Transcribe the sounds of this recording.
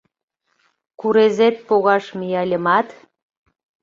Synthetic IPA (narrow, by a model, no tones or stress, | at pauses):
kuɾezet̪̚poɣɑʃmijɑlʲəmɑt̪